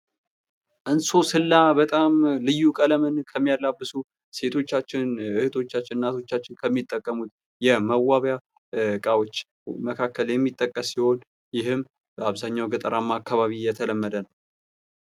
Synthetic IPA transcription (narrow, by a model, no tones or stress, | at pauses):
ʔɨnso̞sɨlːabət̪ʼamlɨjːukʼələmɨnkʰəmːijalːabːɨsu | se̞t̪ʰo̞t͡ʃːat͡ʃːɪnɨhɨt̪ʰo̞t͡ʃːat͡ʃːɪnnːat̪ʰo̞t͡ʃːat͡ʃːɪnkʰəmːit̪ʼːəkʼːəmut̪ | jɛməwːaβja | kʼawo̞t͡ʃː | məkʰakːəljɛmːit̪ʼːəkʼːəsːiho̞n | jɪhɨmː | aβzaɲːawɡət̪ʼəɾamːaːkʰːaβaβijɛt̪ʰələmːəd̪ənəw